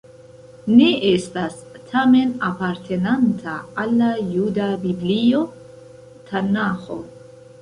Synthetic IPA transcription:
neʔestastʰame̞napaɾtʰe̞nantʰaːlːajudabiblio̞ | tʰanaxo̞̰

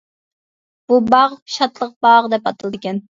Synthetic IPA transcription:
b̥ubɑʁʃɑt̪lˠəq̚b̥ɑːʁd̪ɛpɑt̪ʰɨlˠd̪ɨkʲɛn

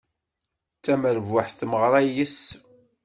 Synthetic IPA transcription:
t͡sːæməɾvaħθθməʁɾˤæjəs

